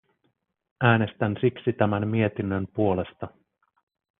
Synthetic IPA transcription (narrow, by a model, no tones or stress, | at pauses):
æːnest̪ænsiksit̪æmæmːie̞t̪inːønpuo̞le̞st̪ɑ